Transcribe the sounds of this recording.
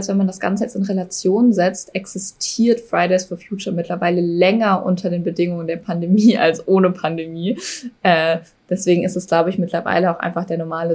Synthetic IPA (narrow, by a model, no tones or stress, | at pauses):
lstv̥ɛnmandasɡ̥a̰nt͡səjɛt͡stɪnʁelat͡sjoːnnzɛt͡stʔɛksɪstʰiːɐtfʁ̥aɪɾaɪsfɔɐfjuːt͡ʃɐmɪtʰlɐvaɪləlɛŋɐʔʊ̰ntʰɐdeːnbədɪŋʊŋəndeːɐpʰandemiːʔa̰lsʔoːnəpʰandemiːʔɛː | d̥ɛsv̥eːɡŋ̩ɪstɛsɡ̥laʊbəɪçmɪtlɐva̰ɪləaʊxʔa̰ɪnfaχd̥eːɐnɔɐmaːlə